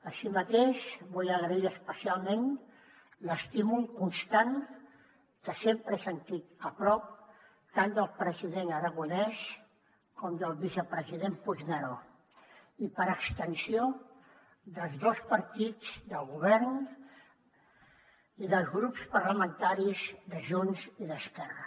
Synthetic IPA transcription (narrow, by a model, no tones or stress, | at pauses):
əsimət̪eʃβɔjəɣɾəiəspəsialˠmen | ləst̪imulˠkunst̪an | kəsempɾəsənt̪it̪əpɾɔp̚ | t̪and̪əlˠpɾəziðenəɾaɣunɛs | kɔmd̪əlˠβizəpɾəziðempunəɾo | ipəɾəkst̪ənsio | d̪əlˠzðospəɾt̪id͡zd̪əlˠɣuβɛɾn | iðəlˠzɣɾupspəɾləmənt̪aɾizd̪əʒunziðəskɛrə